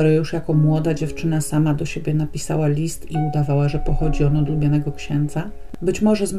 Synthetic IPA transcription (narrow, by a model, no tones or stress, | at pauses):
ɾɛjuʂjakɔmwɔd̪ad͡ʑɛft͡ʂɘnasamad̪ɔɕebʲjɛnapʲisa̰walʲist̪iud̪avawaʐɛpɔxɔd͡ʑiɔnɔd̪lubʲjanɛɡɔkɕɛnd̪za | bɘt͡ɕmɔʐɛzm